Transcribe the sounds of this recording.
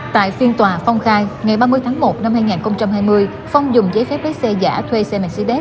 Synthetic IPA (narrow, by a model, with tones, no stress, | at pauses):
t̪a̰ː˧˨jfi˧nt̪waː˨˩fɔ˧wŋ͡mxaː˧jŋa˨˩jɓaː˧mɨ˧əjt̪ʰaː˨˦ŋmo˨˩t̚na˧mhaː˧jŋaː˨˩nxə˧wŋ͡mt͡ɕa˧mɦaː˧jmɨ˧əj | fa˧wŋ͡mzʊ˨˩ŋ͡mzəː˨˦jfɛ˦˥p̚ɓe˨˦sɛ˧za̰ː˧˥t̪ʰwe˧sɛ˧mɛ˧˩nsi˧ɗɛ˦˥t̚